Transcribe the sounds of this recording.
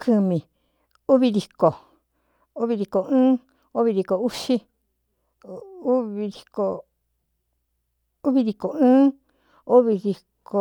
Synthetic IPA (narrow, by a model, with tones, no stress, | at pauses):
kʰɨ˧mĩ˨ | u˦βi˧ði˨ko˨ | u˦βi˧ði˧ko˨ɨ̃ː˦ | o˦βi˧ði˧˨ko˨u˦ʃi˦ | u˦βi˧ði˧ko˧ | u˦βi˧ði˧ko˨ɨ̃ː˦ | o˦βi˧ði˧kʰo˨